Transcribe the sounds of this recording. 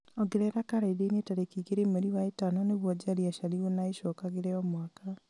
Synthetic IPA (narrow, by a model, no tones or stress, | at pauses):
ɔɡeɾɛɾakaɾaideinetaɾekiɣeɾemeɾiwaetanɔneβwɔd͡ʑaɾiaʃaɾionaeɕɔkaɣeɾɛɔmwaka